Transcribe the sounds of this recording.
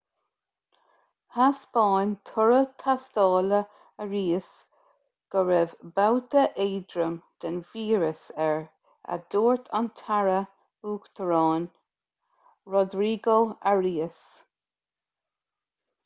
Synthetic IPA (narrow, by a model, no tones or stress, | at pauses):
haspɑːnt̪ʰʊɹət̪ʰast̪ɑːlə | əɹiːəs | ɡ̥əɹɛvbawt̪əʔeːd̪ɾəmd̪̥ənviːɹəsɛɹ | a̰d̪̥oːɹt̪ʰant̪ʰaɹə | uːkt̪ʰəɹɑːn | ɹɔd̪ɾiːɡoaɹiːəs